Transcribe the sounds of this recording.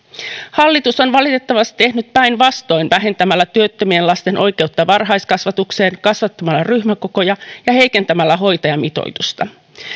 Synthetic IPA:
hɑlːit̪uso̞nʋɑlit̪e̞t̪ːɑʋɑst̪i̥t̪e̞hnyt̪̚pæjnʋɑst̪o̞jnʋæɦe̞nt̪æmælːæt̪yøt̪ːømie̞nlɑst̪e̞nʔo̞jke̞ut̪ːɑʋɑrɦɑjskɑsʋɑt̪ukse̞ːŋkɑsʋɑt̪ːɑmɑlːɑryçmæko̞ko̞jɑjɑhe̞jke̞nt̪æmælːæɦo̞jt̪ɑjɑmit̪o̞̰jt̪ust̪ɑ

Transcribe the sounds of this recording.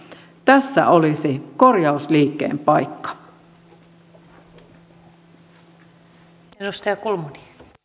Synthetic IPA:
t̪æsːæ̰ʔolisikorjɑusliːkːḛːmpɑikːɑ̥ | edust̪ɑjɑkulmuni

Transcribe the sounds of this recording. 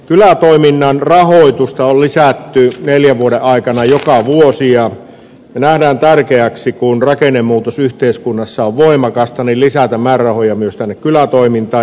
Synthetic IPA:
kylæt̪oiminːɑnrɑhoit̪ust̪ɑollisæt̪ːyneljæʋuodeʔɑˑikɑnɑjokɑʋuosijɑ | næhdæːnt̪ærkeæksikunrɑkenːˑemːuːt̪osyht̪eˑiskunːɑsːɑoʋʋoimɑkɑst̪ɑnillisæt̪æmmærːɑhojɑmyøst̪ænːekkylæt̪oimint̪ɑː

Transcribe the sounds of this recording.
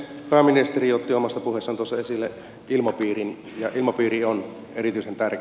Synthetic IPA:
pæːminest̪erijot̪ːiomɑsːɑpuhesːɑnt̪uosːɑesilːe | ilmɑpiːrin | jɑʔilmɑpiːrion | erit̪yisent̪ærk

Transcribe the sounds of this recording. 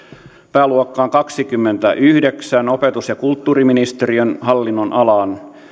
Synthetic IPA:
pæːluokːɑːŋkɑksikymːent̪æʔyhdeksæno̞pet̪usjɑkult̪ːuːriminist̪eɾiønhɑlːinːonʔɑlɑn

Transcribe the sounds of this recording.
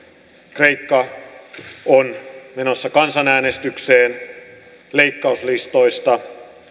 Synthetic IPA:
kre̞ikːɑ | onme̞nosːɑkɑnsɑnæːnest̪ykseːn | leikːɑuslist̪o̞ist̪ɑ

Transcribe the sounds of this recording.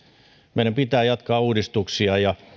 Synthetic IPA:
meˑilɑmpit̪æːjɑt̪kɑːuːdist̪uksiɑjɑ

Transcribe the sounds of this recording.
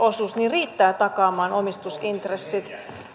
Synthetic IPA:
osusniriːt̪ːæːt̪ɑkɑːmɑːnʔomist̪usint̪resːit̪

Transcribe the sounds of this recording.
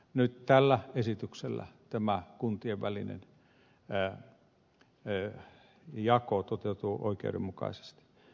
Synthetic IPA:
nyt̪t̪ælːæesit̪ykselːæ̰t̪æmækunt̪ieʋʋælḭnḛn | jɑkot̪ot̪eut̪uːʔo̰ikḛuɾḛmmukɑ̰ise̥st̪i̥

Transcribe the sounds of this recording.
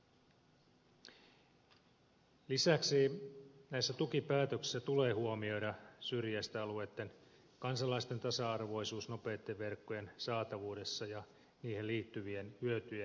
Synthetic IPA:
lisæksinæisːæt̪ukipæːt̪øksi̥sːæt̪ule̞ːhuomio̞jdɑsyrjæst̪æɑluet̪ːe̞n | kɑnsɑlɑist̪e̞nt̪ɑsɑɑrʋo̞jsuːsno̞pe̞ːt̪ːeʋːe̞rkːojensɑːt̪ɑʋuːde̞sːɑjɑ | niːhelliːt̪ːyʋienhyøt̪yje

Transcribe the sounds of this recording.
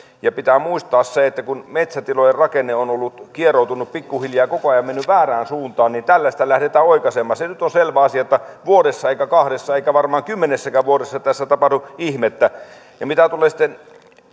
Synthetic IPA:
jɑpit̪æːmuist̪ɑːsseet̪ːækunmet̪sæt̪ilojerɑkenːˑeonolːut̪kierout̪unːuppikːuhiljɑːjɑkokoɑjɑmmenːyʋʋæːræːnsuːnt̪ɑːnnint̪ælːæsi̥t̪ælæhdet̪æːoikɑsemːɑssenyt̪onselʋæɑsiɑjot̪ːɑʋuodesːɑeˑikækɑhdesːɑeikæʋɑrmɑːŋkymːenesːækæʋuodesːɑt̪æsːæt̪ɑpɑhduihmet̪ːæ | jɑmit̪æt̪uleːsi̥t̪ːˑen

